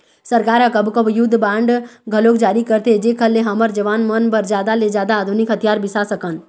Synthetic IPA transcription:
səɾkaːɾãkəbkəbʱjʊd̪ʱbãːɳɖɡʱəloːkd͡ʒaːɾikəɾt̪ed͡ʒekʰəlːeɦəməɾd͡ʒəʋaːnmənbəɾd͡ʒjaːd̪aled͡ʒjaːd̪aːd̪ʱunɪkɦət̪ʰijaːɾbɪsasəkən

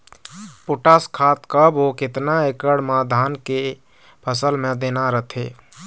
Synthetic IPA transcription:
poʈaskʰat̪kəbɦokɪt̪naekəɽmad̪ʱaːnke | pʰəsəlmẽd̪eːnaɾət̪ʰḛ

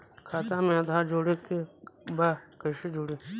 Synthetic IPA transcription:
kʰaːt̪ãːmẽd̪ʱaːd͡ʒoːɽik̪ʰebaːkəʃid͡ʒoːɽi

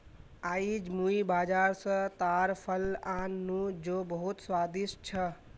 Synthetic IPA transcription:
aːid͡ʒmuibaːd͡ʒaːɾsə̃t̪aɾpʰəlanːud͡ʒobəɦut̪swaːd̪iʃt͡ʃʰə

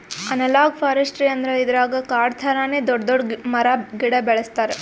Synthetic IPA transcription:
ɐnɐlaːɡpʰaːɾɐsʈɾiɐnd̪ɾeid̪ɐɾaːɡɐkaːɾt̪ʰɐɾaːned̪ɔɖd̪ɔɖmɐɾaɡiɽɐbɛɭɐst̪aːɾe

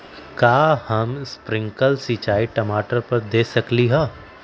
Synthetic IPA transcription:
kaːhɐmspɾɪ̃ŋkəlsiːt͡ʃaːiʈɐmaːʈəɾpɐɾd̪eːsɐkliɦɛː

